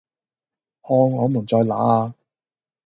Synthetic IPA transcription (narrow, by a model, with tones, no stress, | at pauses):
hɔː˧ŋɔː˨˧mu˨˩nt͡sɔː˧jla̰ː˨˥aː˧